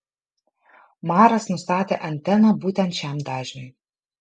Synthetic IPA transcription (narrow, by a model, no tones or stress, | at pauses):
mɑːɾɐsnʊst̪ɑːt̪ʲeʔɐnʲt̪ʲɛnɐbuːt̪ʲɛnt̪ʃʲæmd̪ɑːʒʲnʲʊj